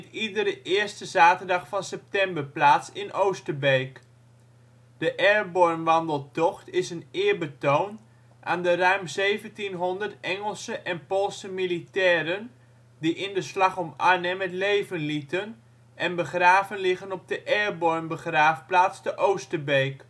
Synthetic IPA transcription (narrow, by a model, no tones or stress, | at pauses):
ɛtidəɾəʔɪːɹstəzaːtəɹdɑχfɑnsɛp̚tɛmbəɹplaːtsɪnʔowstəbejk | d̥əʔɛɹbɔɹmʋɑndəlˠtɔχtɪsənɪːɹbətown | ʔaːndərœɥmzejvəntinɦɔndəɹtɛŋəlˠsəʔɛnpolˠsəmilitɛːɾən | diʔɪndəslɑχɔma̰ɹnɛmɛtlejvənlitən | ʔɛnbəχraːvənlɪχənɔb̚dəʔɛɹbɔɹmbəχraːfplaːtstəʔowstəbejk